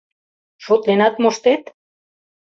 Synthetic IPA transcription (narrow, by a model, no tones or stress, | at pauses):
ʃot̪lenat̪moʃt̪et̪